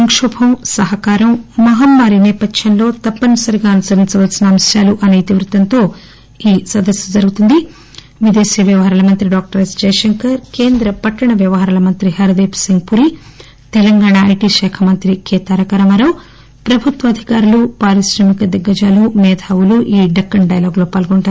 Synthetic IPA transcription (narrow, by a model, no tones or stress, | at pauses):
ɐŋkʂɔːbʱɐmsɐɦɐkaːɾɐmːɐɦɐmːaːɾinɛːpɐtʃjɐnlo̞ːt̪ɐpːɐnɐsɐɾiɡaːɐnusɐɾint͡ʃɐʋɐlsinɐːmɐsjaːluʔɐnɐjt̪iʋɾut̪ɐnt̪o̞ː | iːsɐd̪ɐsjɐd͡ʒɐɾɡut̪und̪i | ʋid̪e̞ːsijɐʋjɐʋɐɦaɾaːlɐmɐnt̪ɾiɖaːk̚ʈɐɾesd͡ʒɐjʃɐŋkɐɾkeːnd̪ɾɐpɐʈːɐɳɐʋjɐʋɐɦaɾaːlɐmɐnt̪ɾiɦɐɾɐd̪eːpsiŋɡpuɾi | t̪ɛlɐŋɡaːɳaɐjʈiʃɛːkʰɐmɐnt̪ɾikʰeːt̪aːɾɐkɐɾɐmɐɾɐw | pɾɐbʱut̪ʋɐd̪ʱikaːɾulupaːɾisɾɐmikɐd̪ɐɡːɐd͡ʒaːlumɛːd̪ʰʱaːʋuluʔiːɖɐkːɐɳɖɐjɐloːɡlo̞ːpaːlɡoɳʈaːɾu